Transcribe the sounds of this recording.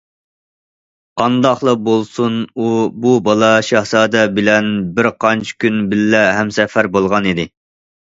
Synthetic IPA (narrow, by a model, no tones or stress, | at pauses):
qʰɑnd̪ɑχlˠɑbolˠsunububɑlˠɑʃɑhsɑːd̪ɛbɪlɛnbɪɾqʰɑnt͡ʃʰi̥kʲynbɪlːɛɦɛmsɛfæɾbolˠʁɑnid̪ɪ